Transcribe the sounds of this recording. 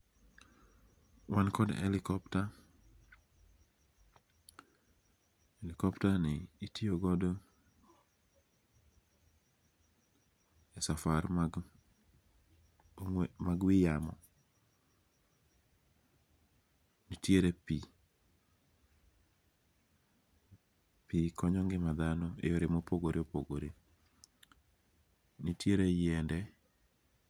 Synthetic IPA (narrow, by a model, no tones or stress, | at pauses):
wankɔdɛ̰lɪkɔpta | elikɔptanɪitioɡɔdo | ɛsafaɾ | maɡwijamɔ | nitjeɾepi | pikʰɔɲɔŋɡemaðanoejoɾemopoɡoɾeopoɡoɾe | nitjeɾejɛndɛ